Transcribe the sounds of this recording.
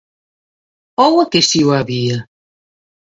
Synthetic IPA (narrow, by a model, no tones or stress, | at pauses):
ɔwɐkesiwaβiɐ